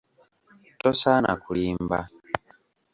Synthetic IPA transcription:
tosana̰kuliːmba

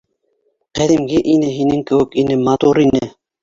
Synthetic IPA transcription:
qæðimɡɘʔinɘɦinɘŋkɘ̆wɘ̆kinɘmɑt̪uɾinɘ

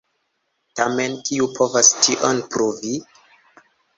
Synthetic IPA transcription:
tame̞nkiupʰo̞vastiʔonpɾuvi

